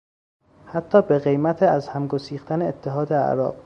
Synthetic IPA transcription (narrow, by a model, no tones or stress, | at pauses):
hæt̪ʰːɒːbe̞ɣe̞jmæt̪ʰeæzhæmɡosiːxt̪æneːt̪ʰːeɦɒːd̪eæ̰ɾɒ̰ːb̥